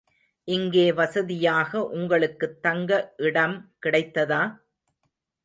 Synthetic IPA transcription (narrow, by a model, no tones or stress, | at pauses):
ʔɪŋɡeːʋɐsɐðɪjaːɣɐʔʊŋɡɐɭɯkːɯt̪ːɐŋɡɐʔɪɽɐmkɪɽɐɪt̪ːɐðaː